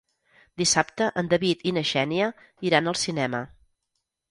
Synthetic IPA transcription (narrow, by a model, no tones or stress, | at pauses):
d̪isapt̪əʔənd̪əβit̪inəʒɛniə | iɾanəlˠsinɛmə